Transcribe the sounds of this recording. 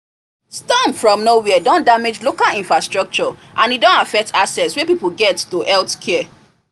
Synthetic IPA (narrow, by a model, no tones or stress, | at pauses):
stɔ̃mfɹɔ̃mnowɛdɔ̃ndamed͡ʒlokalĩnfɹastɹɔk̚t͡ʃɔʔãnidɔ̃ntafɛk̚tʰasɛtswɛpipolɡɛttoʔɛltkʰɛɛ